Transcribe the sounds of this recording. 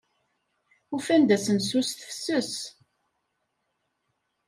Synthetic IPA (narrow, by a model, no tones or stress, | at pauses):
ufænd̪æsənsusθəfsəs